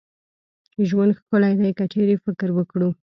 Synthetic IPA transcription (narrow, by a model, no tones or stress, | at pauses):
t͡ʃeʒwand̪xkʊlajd̪ajkət͡ʃeɾefɪkɾwəkɽu